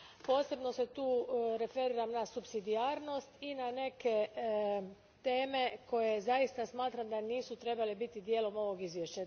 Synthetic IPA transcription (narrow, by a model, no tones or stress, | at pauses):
po̞ːse̞bno̞se̞t̪uːɾe̞fe̞ɾiːɾamnasupsid̪iaːɾno̞st̪inane̞ke̞ | t̪e̞ːme̞ko̞je̞zaist̪asmaːt̪ɾamd̪aniːsut̪ɾe̞balebit̪id̪je̞ːlo̞mo̞ʋo̞ɡizʋjeʃt͡ɕa